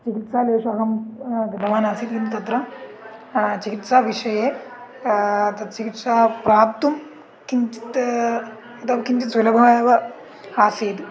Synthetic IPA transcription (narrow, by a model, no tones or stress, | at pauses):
t͡ʃikit̪saːleːʂɐkɐmɡɐd̪ɐʋaːnasiːt̪kinut̪ɐt̪ɾɐ | t͡ʃikit̪saʋiʂɐje | t̪ɐt̪̚t͡ʃikit̪sapɾaːp̚t̪um | kint͡ʃi̥t̪ | ɐt̪ɐʋkiɲt͡ʃit̪sɐlɐbʱɐʋjʋɐ | aseːt̪